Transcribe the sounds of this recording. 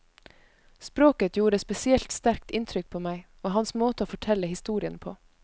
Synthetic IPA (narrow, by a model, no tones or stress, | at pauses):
spɾoːkət̪ʰjuːɾəspɛsɪɛlt̪st̪æɾk̚t̪ɪnt̪ʰɾʏk̚pʰoːmæɪ | oːɦɑnsmoːt̪əoːfɔʈʰɛləhɪst̪uːɾɪənpʰoː